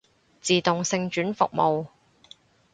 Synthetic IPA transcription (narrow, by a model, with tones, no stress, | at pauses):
t͡siː˨t̪ʊ˨ŋsɪ˧ŋt͡ʃyː˨˥nfʊ̰˨k̚mo˨w